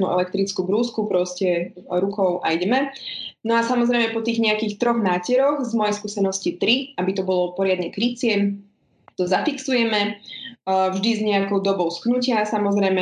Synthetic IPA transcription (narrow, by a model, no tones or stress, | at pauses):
nṵʔɛ̰lɛk̚t̪ɾit͡skubɾuːskupɾɔscɛɾukɔʊʔa̰jɟɛmɛnɔasamɔzɾɛjmɛpɔt̪iːɣɲɛakiːxt̪ɾɔɣnaːcɛɾɔɣzmɔjɛjskuːsɛnɔscit̪ɾiabit̪ɔbɔlɔpɔɾɪad̪ɲɛkɾit͡sɪɛm | t̪ɔzafiksujɛmɛ | vʒd̪izɲɛakɔʊd̪ɔbɔʊsknucɪasamɔzɾɛjmɛ